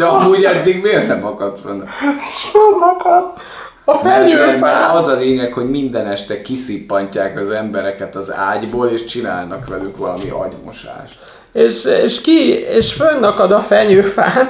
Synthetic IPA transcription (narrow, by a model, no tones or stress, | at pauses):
d̪ɛɒmuɟɛd̪ːiɡmeːrnɛmɒkɒt̪fonːɛeʃfønːɒkɒd̪ | ɒfɛɲøːfaːɒzɒleːɲɛkho̞ɟmind̪ɛnɛʃt̪ɛkisipːɒɲcaːkɒzɛmbɛɾɛkɛt̪ɒza̰ːɟboːleːʃt͡ʃina̰ːlnɒkʋɛlykʋɒlɒmḭʔɒ̰ɟmo̰ʃa̰ːʃ | eːʃeːʃkieːʃfønːɒkɒd̪ɒfɛɲøːfaːn